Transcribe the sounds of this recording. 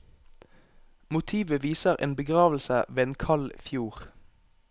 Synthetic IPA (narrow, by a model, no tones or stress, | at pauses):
mʊt̪ʰiːʋəʋiːsəʁʔḛːnbəɡʁɑːʋl̩səʋeːeːnkʰɑlfjuːʁ